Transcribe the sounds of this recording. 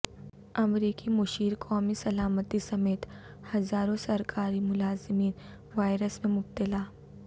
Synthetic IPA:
ɐmɾiːkimʊʃiːɾkʰɔːmisɐlaːmət̪isɐmeːt̪ | hɐzaːɾõsɐɾkʰaːɾimʊlaːzɪmiːn | ʋaːɪɾəsmẽmʊb̚t̪ɪlaː

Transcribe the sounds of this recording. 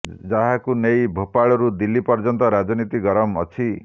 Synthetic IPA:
d͡ʒaɦakunejbʱopaɭɔɾud̪ilːipɔɾd͡ʒɔnt̪ɔɾad͡ʒɔnit̪iɡɔɾɔmɔ̰t͡ʃʰi

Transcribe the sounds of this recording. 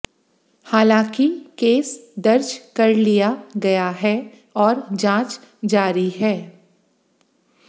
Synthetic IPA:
haːlãːkikeːsd̪ɐɾd͡ʒkɐɾlijaɡɐjaɦɛ | ɔːɾd͡ʒãːt͡ʃ | d͡ʒaːɾiɦɛː

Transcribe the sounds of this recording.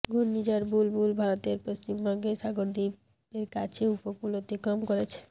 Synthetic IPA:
ɡunnid͡ʑaɾbulbulbʱaɾot̪eɾpost͡ɕimbʱɔŋɡeʃaɡoɾd̪ib | eɾkat͡ɕʰeupopulot̪ikɔmkoɾet͡ɕʰe̥

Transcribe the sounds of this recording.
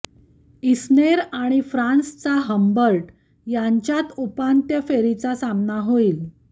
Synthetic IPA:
isneɾaɽ̃ifɾanst͡saɦəmbəɾʈ | jaɲt͡ɕjat̪upant̪jəfeɾit͡sasamnaɦoiːl

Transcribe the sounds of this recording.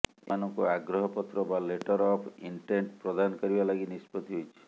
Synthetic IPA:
eanɔŋkuaɡɾɔɦɔpɔt̪ɾɔbaleʈɔɾɔpʰiɳʈeɳʈpɾɔd̪anɔkɔɾibalaɡinispɔt̪iɦojt͡ʃʰi̥

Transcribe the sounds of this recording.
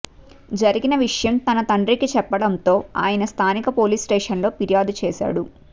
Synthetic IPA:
d͡ʒɐɾiɡinɐʋiʂɐjɐmt̪ɐnɐt̪ɐɳɖɾikit͡ʃɛpːɐɽɐnt̪o̞ːa̰ːjɐnɐst̪ʰaːnikɐpo̞ːliːsʈeːʂɐnlo̞ːpiɾijaːd̪ut͡ʃɛːsa̰ːɽu

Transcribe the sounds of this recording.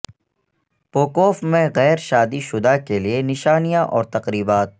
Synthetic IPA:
poːkoːfmẽɣɛːɾʃaːd̪iʃʊd̪akelienɪʃaːnijãʔɔːɾt̪ɐqɾiːbaːt̪̚

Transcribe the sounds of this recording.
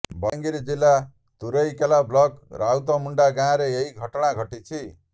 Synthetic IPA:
bʌŋɡiɾd͡zilːa | t̪uɾʌjkelablʌkrawt̪ʌmuɳɖaɡãɾejeɦiɡʱʌʈɽaɡʱʌʈit͡sʰi

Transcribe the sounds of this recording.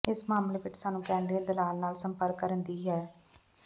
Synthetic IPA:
ɪsmaːmleːʋɪt͡ʃsaːnũːkɛ̃ːɳɖɾiə̃ːd̪ɪlaːlnaːlsəmpəɾkːəɾənd̪iːɦɛː

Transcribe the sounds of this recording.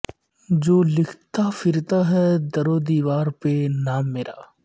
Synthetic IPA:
d͡ʒoːlɪkʰt̪afɪɾt̪aɦɛd̪ɐɾod̪iːʋaːɾpenaːmːeːɾʔa̰ː

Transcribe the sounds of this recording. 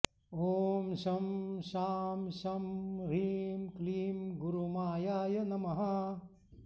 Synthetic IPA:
oːmʃɐmʃaːmʃɐmɾiːmkliːmɡuɾumaːjaːjɐnɐmɐɦɐ

